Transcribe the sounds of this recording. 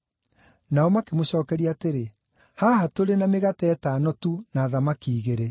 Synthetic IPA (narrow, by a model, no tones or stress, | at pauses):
naɔmakemoɕɔːkɛɾiaːteɾe | hahatoɾenameɣatɛtanɔtunaːðamakiːɣeɾe